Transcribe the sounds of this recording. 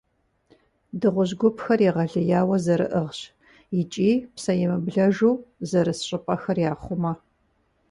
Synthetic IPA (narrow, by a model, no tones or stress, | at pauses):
dɨʁʷʊʑɡʷʊpxɐrjiʁɐɮɨjaːwɐzɐɾɨ̰ʔɨʁɕ | jɪt͡ʃʼiːpsɐjɛmɨbɮɐʒuːzɐɾɨsɕʼɪpʼɐxɐrjaːχʷʊmɐ